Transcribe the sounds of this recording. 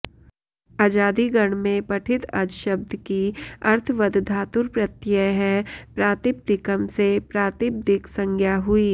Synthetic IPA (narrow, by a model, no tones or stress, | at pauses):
aːd͡ʒaːd̪iɡɐɳ̃mẽpɐʈʰɪt̪a̰d͡ʒʃɐbd̪ʱkiɐɾt̪ʰʋɐd̪d̪ʱaːt̪ʊɾpɾɐt̪ːjəɦɛ̃pɾaːt̪ɪp̚d̪ɪkəmsepɾaːt̪ɪp̚d̪ɪksə̃ŋɡʱjaɦʊiː